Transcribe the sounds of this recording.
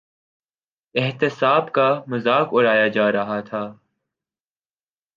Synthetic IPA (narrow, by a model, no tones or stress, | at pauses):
ɪɦt̪ɪsaːbkamʊzaːkʊɽaːjad͡ʒaːɾɐɦat̪ʰaː